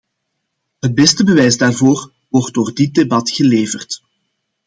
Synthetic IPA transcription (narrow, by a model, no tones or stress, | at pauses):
ɦət̚bɛstəbəʋɛjzdaːrvoːr | wɔrt̚doːrdɪt̚debɑtɣəleːvərt